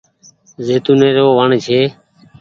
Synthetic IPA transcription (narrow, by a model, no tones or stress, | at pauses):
zeːt̪ũːnẽːɾoːʋaɳeːt͡ʃʰeː